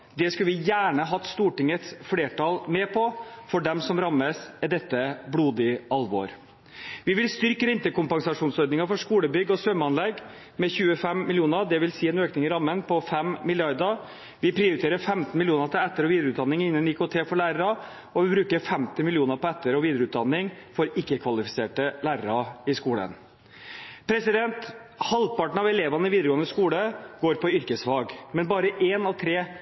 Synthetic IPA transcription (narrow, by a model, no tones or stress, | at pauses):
d̪ɛskʉlʋɪjæːɳəɦɑt̪st̪uːʈɪŋət̪sfleːʈʰɑlmɛpʰɔfɔɖɛmsɔmɾɑmːəsɛd̪ɛt̪ːəbluːd̪ɪɑlʋɔ̰ɾ | ʋɪʋɪlst̪ʏɾkəɾɛnt̪əkʊmpɑŋsɑʂuːnsɔɾd̪nɪŋɑfɔʂkuːləbʏɡːɔsʋœmːɑnlɛɡ | mɛçʉːəfɛmmɪljuːnəɾd̪ɛʋɪlsiːɛnøːknɪŋɪɾɑmːənpʰɔfɛmmɪljɑɾd̪ə | ʋɪpʰɾɪʊɾɪt̪ʰeːɾəɾfɛmt̪n̩mɪljuːnət̪ʰɪlɛt̪ːəɾɔʋiːd̪ɾʉːt̪d̪ɑnːɪŋɪnːənɪkot̪ʰeːfɔɭæːɾəɾɑ | ɔʋɪbɾʉːkəɾfɛmt̪ɪmɪlɪuːnəɾpʰɔɛt̪ːəɾɔʋiːd̪əɾəʉːt̪̚d̪ɑnːɪŋfɔɾɪkːəkʰʋɑlɪfɪ̥seːʈəlæːɾəɾɑɪskuːlə̰n | pʰɾɛsɪd̪ɛnt̪ | hɑld̪̚pɑʈɳ̩ɑʋɛleːʋɑnəɪʋiːd̪əɾəɡoːənd̪əskuːləɡ̥oːɾpʰɔʏɾkəsʋɑːɡmɛnbɑːɾəʔeːnɑʋt̪ʰɾeː